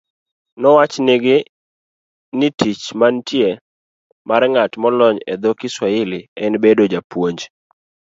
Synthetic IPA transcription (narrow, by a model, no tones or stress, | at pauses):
nɔwat͡ʃnɪɡɪ | nɪtʰit͡ʃmantje | maɾŋatmɔlɔɲɛd̪ɔkɪswaɪlɪɛnbedod͡ʒapwoɲd͡ʒ